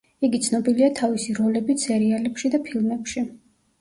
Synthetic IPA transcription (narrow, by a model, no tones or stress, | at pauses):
iɡit̪sʰnɔbiliat̪ʰavisiɾɔlɛbit̪sɛɾialɛpʃid̪apʰilˠmɛpʃi